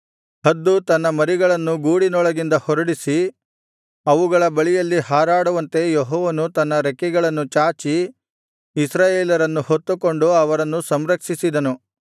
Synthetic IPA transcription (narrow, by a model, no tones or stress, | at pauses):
hɐd̪ːut̪ɐnːɐmɐɾiɡɐɭɐnːuɡuːɽinɔɭɐɡind̪ɐhɔɾɐɽisi | ɐʋuɡɐɭɐbɐɭijɐlːihaːɾaːɽuʋɐnt̪e̞joɦɔːʋɐnut̪ɐnːɐɾekiɡɐɭɐnːut͡ʃaːt͡ʃiː | sɾaːjeːlɐɾɐnːuhot̪ːuko̞ɳɖuɐʋɐɾɐnːusɐmɾɐkʂisid̪ɐnu